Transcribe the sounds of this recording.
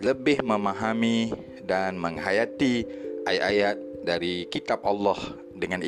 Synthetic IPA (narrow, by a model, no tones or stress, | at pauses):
ləbɪhməmaɦami | danməŋɦajat̪iʔajʔajat̪̚daɾikit̪ap̚ɑlːɔh | dəŋani